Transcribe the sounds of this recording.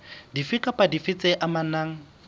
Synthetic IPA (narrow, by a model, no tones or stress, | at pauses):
difɪkʼapʼadifɪt͡sʼeʔamanaːŋ̩